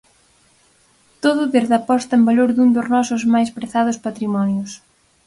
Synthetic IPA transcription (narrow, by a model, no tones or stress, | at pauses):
t̪oðʊðeɾðɐpɔst̪ɐembaloɾðund̪ʊznɔsʊzmajspɾeθað̞ʊspat̪ɾimɔnjʊs